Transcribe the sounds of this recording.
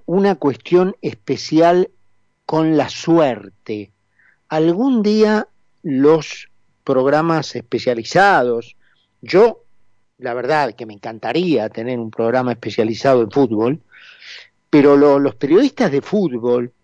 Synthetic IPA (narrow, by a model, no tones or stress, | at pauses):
unakwest̪jo̞nespesjal | ko̞nlasweɾt̪e | alɣund̪ia | los | pɾo̞ɣɾamasespesjalisað̞os | ʒo | laβ̞eɾðaðkemẽŋkant̪aɾiat̪e̞neɾumpɾo̞ɣɾamaespesjalisað̞oeɱfud̪̚βo̞l | peɾo̞lolo̞speɾjo̞ðiht̪azðe̞fud̪βo̞l